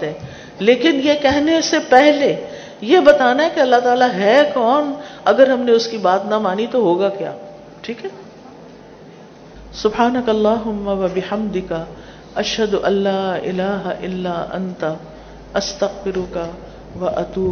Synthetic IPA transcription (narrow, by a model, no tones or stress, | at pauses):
t̪ɦɛ̃ | leːkɪnjekɛɦnesepɛɦle | jebɐt̪aːnaɦɛkeɐlːaɦt̪aːlaɦɛkɔːnɐɡəɾɦɐmneʊskibaːt̪nɐmaːnit̪oɦoːɡakja̰ː | ʈʰiːkɦɛ | sʊbħaːnɐkɐlːaːɦʊmːɐʋɐbɪħɐmd̪ɪkɐ | ɐʃɦɐd̪ʊʔɐlːaːɪ̰laːɦʔɪlːaːʔɐ̰nt̪a | ɐst̪ɐɣfɪɾʊkɐ | ʋɐʔɐt̪uː